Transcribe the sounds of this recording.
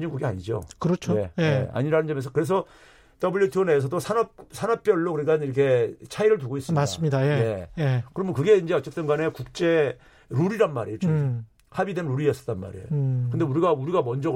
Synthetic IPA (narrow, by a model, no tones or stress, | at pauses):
d͡ʑiŋɡuɡia̰ɲid͡ʑo̰kɯɾʌt͡ɕʰoe̞jea̰ɲiɾanɯnd͡ʑʌmjʌnsʰʌkɯɾe̞s̬ʰʌ | t͈ʌbɯʎjutʰone̞s̬ʰʌdosʰanʌp̚sʰanʌp̚p͈jʌɭːokɯɾikaniɾʌkʰe̞t͡ɕʰaiɾɯɭt̬uɡois͈mas͈ɯmɲidajeje̞kɯɾʌmɯnkɯɡe̞ind͡ʑe̞ʌt͡ɕ͈et͈ɯnɡane̞kuk̚t͡ɕ͈e̞ | ɾuɾiɾanma̰ɾejot͡ɕo | habidemɾoɾiʌs͈ʌ̥t͈anma̰ɾḛokɯndeuɾiɡauɾiɡamʌnd͡ʑʌ